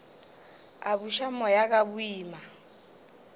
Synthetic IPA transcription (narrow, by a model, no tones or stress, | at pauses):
abuʃamɔjak̬ʼabuiːma